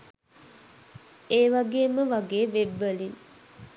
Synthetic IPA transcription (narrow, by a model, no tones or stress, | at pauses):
eːʋaɡeːməʋaɡeːʋebːəlin